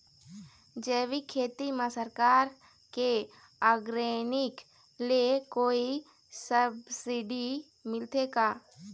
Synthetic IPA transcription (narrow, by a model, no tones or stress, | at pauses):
d͡ʒɛːʋikʰeːt̪imãsəɾkaːɾ | ke | aːɡɾenɪk | liekoːi | səbsɪɖi | mɪlt̪eɡaː